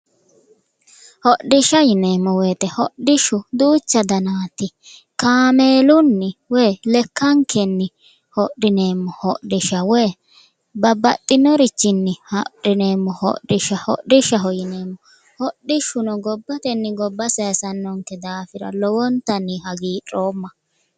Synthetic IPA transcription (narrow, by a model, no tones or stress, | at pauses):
hɔɗɪʃɐjɪneːmːɔweːt̪ɛhɔɗɪʃʊd̪uːt͡ʃːɐd̪ɐnaːt̪ɪ | kaːmeːlʊnːɪwɛːlɛkːɐŋkʰɛnːɪ | hɔɗɪne̞ːmːɔhɔɗɪʃɐweː | bɐbːɐ̰t̪ʼːɪnɔɾɪt͡ʃːɪnːɪhɔɗɪneːmːɔhɔ̰ɗɪʃɐhɔ̰dɪʃɐɦɔjɪneːmːɔ | hɔɗɪʃːʊnɔɡɔbːɐt̪ɛnːɪɡɔbːɐsɛɐsɐnːɔŋkːɛd̪aːfɪɾɐ̰lɔwɔnt̪ɐnːɪhɐɡiːtʼoːmːɐ